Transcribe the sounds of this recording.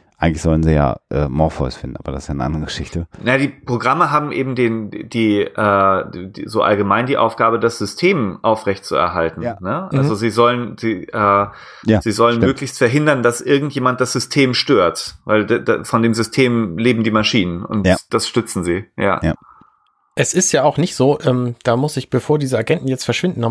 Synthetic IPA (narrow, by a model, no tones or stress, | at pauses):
ʔaɪŋtlɪçz̥ɔlən̩ziːja̰ːʔɛ̰ːmɔɐfɔ̰ɪsfɪndn̩aːbɐdasɪ̥sjaːnəʔa̰ndəʁəɡəʃɪçtənajadiːpʁ̥oɡʁaməɦaːbm̩ʔeːbm̩deːnd̥iːʔɛːdizoːʔa̰lɡəmaɪndiːʔa̰ʊfɡ̥aːbədasz̥ʏstʰeːmʔaʊfʁɛçt̚t͡suɛ̰ɐɦaltn̩n̩əʔa̰lzoziːzɔlənziːʔɛː | z̥iːzɔlənmøːklɪçstfɛɐɦɪndɐndasʔɪɐɡŋ̩tjeːmant̚d̥asz̥ʏstʰeːmʃtøːɐtva̰ɪldda̰fɔndeːmzʏstʰeːmleːbm̩diːmaʃiːnənʊ̰ntd̥asʃtʏt͡sn̩ziːja̰ː | ʔɛsɪstjaːaʊxnɪçtz̥oːʔɛːmd̥aːmʊsɪçb̥əfoːɐdiːzəaɡɛntn̩jɛt͡stfɛɐʃv̥ɪndn̩nɔ